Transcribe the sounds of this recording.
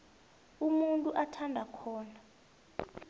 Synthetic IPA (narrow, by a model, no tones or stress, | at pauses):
umuntʼuʔatʰandʱakʰɔːna